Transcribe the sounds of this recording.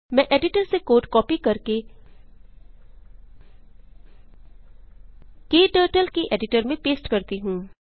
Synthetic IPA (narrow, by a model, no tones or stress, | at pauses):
mɛ̃ːʔeːɖɪʈəɾsekoːʈkɔːpikɐɾke | keːʈəːʈəlkeʔeːɖɪʈəɾmẽpeːsʈkɐɾt̪iɦũː